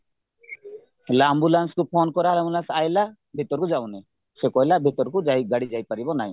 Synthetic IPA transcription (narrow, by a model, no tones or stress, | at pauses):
helaambulanskupʰonkɔɾalambulansajla | bʱit̪ɔɾkud͡ʒawne | sekɔjlabʱit̪ɔɾkud͡ʒajɡaɽid͡ʒajpaɾibɔnaj̃